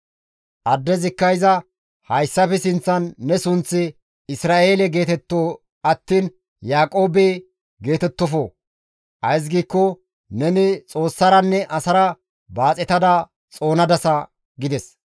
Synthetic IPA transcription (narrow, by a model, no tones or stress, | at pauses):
ʔɐd̪ːɛzɪkːɐjzɐ | hɐjsːɐfɛsɪnt͡sːɐnːɛsʊnt͡sːɪ | ɪsɾaːʔeːlɛɡe̞ːt̪ɛt̪ːoː | ɐt̪ːiːn | jaːkʼo̞ːbe | ɡe̞ːt̪ɛt̪ːɔfoː | ʔɐjs̬ɡiːkːɔ | nɛnɪt͡sʼo̞ːsːɐɾɐnːɛʔɐsɐɾɐ | baːt͡sʼɛt̪ɐd̪ɐ | t͡sʼo̞ːnɐd̪ɐsɐ | ɡɪd̪ɛs